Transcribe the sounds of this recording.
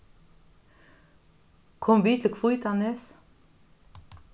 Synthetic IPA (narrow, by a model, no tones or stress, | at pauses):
kʰɔmʋiːt̪ʰl̩kʰfujt̪ʰɑnes